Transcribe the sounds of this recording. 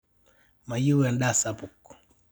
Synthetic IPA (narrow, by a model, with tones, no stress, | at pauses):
ma˨ju˦wɛ˨nɗa˦sapuk